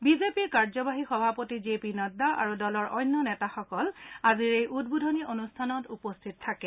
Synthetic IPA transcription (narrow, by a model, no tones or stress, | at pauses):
bizepiɹkaɹzɔbaɦixɔbʱapotizepinɔdaʔa̰ɹudɔlɔɹʔɔjnːɔnɛtaxɔkɔlaziɹejʔud̚budʱɔnionustʰanɔtupɔstʰit̚tʰːakɛ